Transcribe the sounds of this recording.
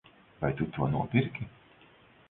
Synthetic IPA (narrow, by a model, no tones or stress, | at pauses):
vajt̪ut̪uɔnuɔpʲiɾkʲi